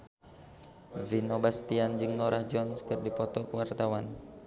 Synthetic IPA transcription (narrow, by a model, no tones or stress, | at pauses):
vinobast̪iand͡ʒɨŋnɔɾahd͡ʒɔnskɨrdipɔt̪ɔkəwart̪awan